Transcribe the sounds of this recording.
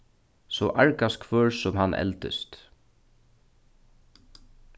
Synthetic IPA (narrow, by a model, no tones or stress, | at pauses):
sɔʔaɹkaskʰvœːɹsʊmɦanʔɛ̰lt̪ɪ̰st̪